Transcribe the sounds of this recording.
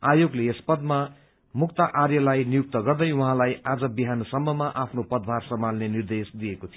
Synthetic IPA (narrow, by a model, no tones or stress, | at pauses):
ajoɡleespʌd̪ma | mukt̪aʔarjʌlajnijuk̚t̪ʌɡʌrd̪ʌjwʌɦãlajad͡zʌbiɦanʌsʌmːʌmaʔapʰnopʌd̪̚bʱarsʌmalnenird̪esd̪ijekot̪ʰijo